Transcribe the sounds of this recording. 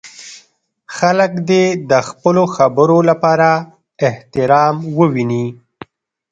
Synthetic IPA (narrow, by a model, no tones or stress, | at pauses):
xaləkd̪ed̪əxpəloxabəɾolapɑɾa | ɪht̪ɪɾɑmwəwini